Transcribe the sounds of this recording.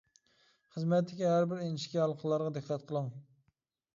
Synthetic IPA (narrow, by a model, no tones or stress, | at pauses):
χəzmɛt̪ʰːɪkʲiɦæɾbɪɾeniʃkʲiɑlˠqʰəlˠːɑɾʁɑd̪ɨqʰːɑt̪qʰəlˠəŋ